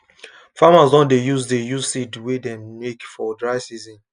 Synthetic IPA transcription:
famasdɔ̃ndejuzdejuzsidwedɛmekfɔdɹaɪsizĩn

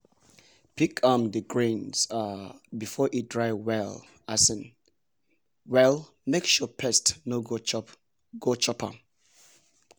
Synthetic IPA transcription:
pikʰãmdəɡɹẽnz̥abifɔʔidɹaɪwɛl | asɛ̃n | wɛl | mekʃɔpʰɛstnoɡo | ɡot͡ʃɔpʰa̰

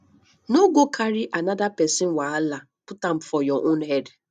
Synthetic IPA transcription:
noɡokʰaɾiʔanadapɛsɪnwaala | pʊtam̩fɔjɔʔʊnɦɛd

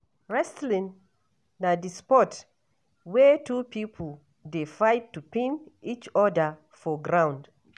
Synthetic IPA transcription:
ɹɛstlĩnː | adispɔt | wɛtʰupipʰol | defaɪtːupẽnit͡ʃɔdə | fɔɡɹãw̃nd

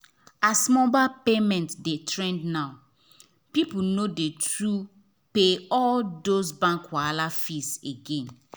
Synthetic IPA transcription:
asmɔ̃bapemɛ̃ntdetʰɹɛ̃ndnaʊ | pipunodetɹu | peɔldosbãŋkwalafiseɡẽn

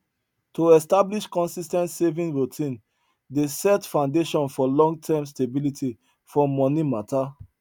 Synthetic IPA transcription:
toɛstabliʃkɔ̃nsistɛ̃ntsevĩŋɹutʰĩn | desɛtfãʊ̃ndeʃɔ̃nfɔlɔ̃ŋɡtʰɛms̬tebilitʰi | fɔmɔnimatʰa

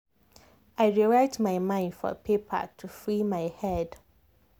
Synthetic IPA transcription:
aɪɹiɹaɪtmaɪmãɪ̃ndfɔ̰pʰepʰə̰tʰufɹimaɪhɛd̥

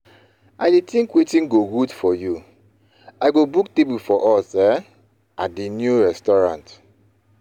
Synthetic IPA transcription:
aɪdetĩŋkwetĩnɡoɡudfɔju | aɡobuktebufɔʔɔsɛ | at̚dinjuɹɛstɔɹã̰nt

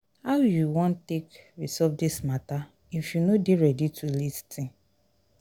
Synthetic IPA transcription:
haʊjuwɔ̃ntekɹisɔvdismata | ifjunodeɹɛditʰulistĩ

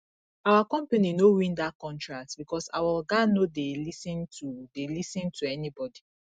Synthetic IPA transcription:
awakɔ̃mpaninowĩndakɔ̃ntɹak̚tbikɔsa̰waɡanodelisĩntʰudelisɛ̃ntʰuɛnibɔdi

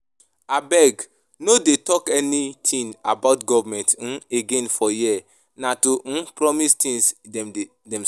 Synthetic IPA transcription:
abɛɡ | nodetɔkɛnitʰĩna̰baʊtɡɔvamɛ̃nt̩eɡẽnfɔjiɛ | natõpɾɔmistĩns | dɛ̃m

